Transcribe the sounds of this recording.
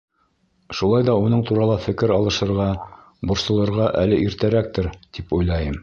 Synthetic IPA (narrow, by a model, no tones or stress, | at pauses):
ʃulˠɑjðɑunɤɴt̪uɾɑlˠɑfɘ̆kɘɾɑlˠɤ̆ʃɤ̆ɾʁɑ | bŏɾsɤ̆lˠɤ̆ɾʁɑʔælɘʔiɾt̪æɾæk̚t̪ɘɾt̪ipujlˠɑjɤm